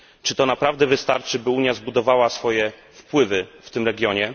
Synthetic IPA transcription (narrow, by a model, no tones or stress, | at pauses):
t͡ʂɘt̪ɔnapɾavd̪ɛvɘst̪aɾt͡ʂɘbɘuɲjazbud̪ɔvawasfɔjɛ | fpwɘvɘft̪ɘmɾɛɡʲjɔɲɛ